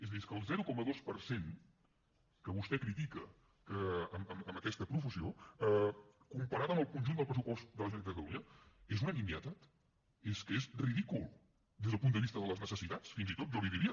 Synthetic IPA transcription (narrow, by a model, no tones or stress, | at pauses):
ezðieskəːlˠzɛɾukɔməðospəɾsen | kəβust̪ɛkɾit̪ikə | kəəməməməkɛst̪əpɾufəsio | kumpəɾat̪əmbəlˠkunʲʒund̪əpɾəsupɔst̪̚d̪ələʒenəkt̪əuiəezunənimjət̪at̪ | eskezriðikulˠ | d̪ezðəp̬und̪əβist̪əðələznəsəsit̪at͡sfinzit̪ot̪ʒɔliðiɾiə